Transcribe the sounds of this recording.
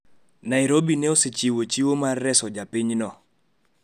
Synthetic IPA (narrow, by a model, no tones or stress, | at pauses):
naɪɾobinɛosɪt͡ʃiwot͡ʃiwomarːɛsɔd͡ʒapɪɲnɔ